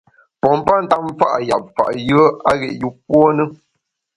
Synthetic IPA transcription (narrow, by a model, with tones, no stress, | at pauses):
pɔ˨m˦pa˦n̩˨ta˦m˦fa̰˦ʔa˨ja̰˨p̚fa̰˨ʔjɯ˦ə˦a˦ɣɛ̰˨ʔju˦p̚wɔ˦nə˦